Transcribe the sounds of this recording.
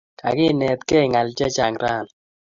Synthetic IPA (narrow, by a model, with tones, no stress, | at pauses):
ka̰˨ɡɪ˦˨ne˨t̪ke˦˨ŋa˨lt͡ʃɛ˦t͡ʃa˨ŋɾa˦˨n